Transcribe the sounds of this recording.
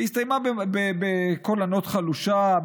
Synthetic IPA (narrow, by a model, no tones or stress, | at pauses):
ist̪ajmabebebekolano̞t̪χaluʃa